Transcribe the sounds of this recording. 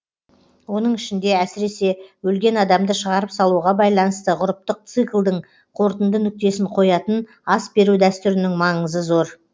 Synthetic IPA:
wo̞n̪əɴɪʃɪnd̪e̞æsɪɾe̞se̞wɵlɡʲe̞nɑd̪ɑmd̪əʃəʁɑɾəpsɑlˠuʁɑbɑjlˠɑnəst̪əʁʊɾəp̚t̪əq̚t̪sɨklˠd̪əɴ | qʰo̞ɾt̪ənd̪ənʏk̚t̪e̞sɪɴqʰo̞jɑt̪ən | ɑsbe̞ɾud̪æst̪ʏɾɪnɪŋmɑɴəzəzo̞ɾ

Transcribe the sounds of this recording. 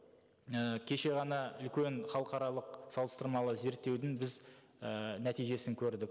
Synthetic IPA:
əkʲʰe̞ʃe̞ʁɑnɑʏlkʲe̞nχɑlˠəqɑɾɑlˠəq̚sɑlˠəst̪əɾmɑlˠəze̞ɾt̪ːe̞wd̪ɪŋbɪz | ənæt̪ijʒe̞sɪŋkʲʰɵɾd̪ɪk̚

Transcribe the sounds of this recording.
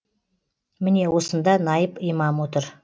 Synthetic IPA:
mɪne̞wo̞sənd̪ɑnɑjəpijmɑmwo̞t̪əɾ

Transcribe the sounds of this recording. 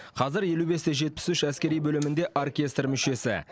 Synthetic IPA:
qʰɑzɪɾje̞lube̞st̪eʒe̞t̪̚pɪ̥sʉʃæskʲe̞ɾijbɵlɪmɪnd̪e̞ʔorkʲe̞st̪rmʏʃe̞sɪ̰

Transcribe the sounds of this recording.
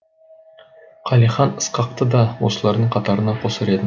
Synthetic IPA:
qʰɑliχɑnəsqɑq̚t̪əd̪ɑwosəlˠɑɾd̪əɴqʰɑt̪ɑɾənɑqʰosəɾed̪ɪ

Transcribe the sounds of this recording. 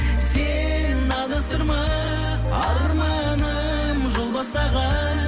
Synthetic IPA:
se | n | ɑlˠəst̪əɾmɑ | ɑləɾmɑ | nə | mʒo̞lˠbɑst̪ɑʁɑnn

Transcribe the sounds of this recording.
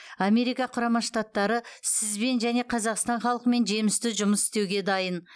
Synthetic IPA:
ɑme̞ɾijkɑqʰʊɾɑmɑʃt̪at̪ːɑɾəsɪzbe̞nʒæne̞qʰɑzɑqst̪ɑnχɑlˠəqəme̞nʒe̞mɪst̪ɪʒʊməsɪ̥st̪e̞wɡʲe̞d̪ɑjən

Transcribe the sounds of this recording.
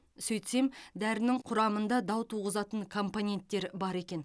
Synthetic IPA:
sɵjt̪se̞md̪æɾɪnɪŋqʰʊɾɑmənd̪ɑd̪ɑwt̪ʰuʁəzɑt̪əɴkʰo̞mpo̞nʲe̞nt̪ːe̞ɾbɑɾe̞kʲe̞n

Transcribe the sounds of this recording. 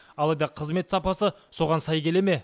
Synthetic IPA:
ɑlˠɑjd̪ɑqʰəzme̞t̪sɑpɑsə | so̞ʁɑnsɑjkʲʰe̞le̞me̞

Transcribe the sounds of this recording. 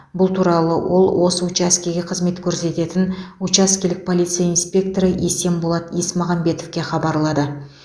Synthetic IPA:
bʊlˠt̪ʰuɾɑlˠəwo̞̰lˠwʔo̞səut͡ʃaskʲeɡʲe̞qʰəzme̞t̪kʲʰɵɾse̞t̪e̞t̪ɪnut͡ʃaskʲelɪk̚pʰo̞lˠijt̪sijainspʲe̞k̚t̪o̞ɾəʔese̞mbolˠɑt̪ismɑʁɑmbe̞t̪o̞fkʲe̞χɑbɑɾlˠɑd̪ə

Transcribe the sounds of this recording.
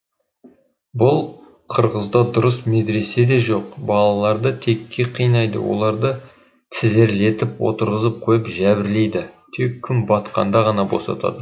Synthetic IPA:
bʊlˠ | qʰəɾʁəzd̪ɑd̪ʊɾəsmed̪ɾe̞se̞d̪e̞ʒoqbɑlˠɑlˠɑɾd̪ət̪ʰe̞kʲʰːe̞qʰijnɑjd̪ə̰wo̰lˠɑɾd̪ə | t̪ʰɪze̞ɾle̞t̪ɪpwo̞̰t̪əɾʁəzəp̚qʰojəpʒæbɪɾle̞jd̪ɪt̪ʰe̞kʲʰːʏmbɑt̪qɑ̰nd̪ɑʁɑnɑbo̞̰sɑ̰t̪ɑ̰d̪ə

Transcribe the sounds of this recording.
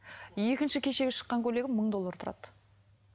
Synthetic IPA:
je̞kʲɪnʃɪkʲʰe̞ʃe̞ɡʲeʃə̥qːɑŋkʲʰɵle̞ɡʲɪməɴd̪o̞lˠːɑɾt̪ʰʊɾɑ̰t̪

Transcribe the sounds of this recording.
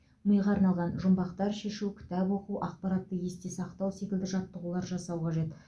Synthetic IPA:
məjʁɑːɾnɑlˠʁɑnʒʊmbɑqt̪ɑɾʃe̞ʃukʲʰɪ̥t̪æpwo̞quʔɑqpɑɾɑt̪ːəje̞st̪esɑqt̪ɑwse̞kʲɪld̪ɪʒɑt̪ːəʁulˠɑɾʒɑsɑwqʰɑʒe̞t̪

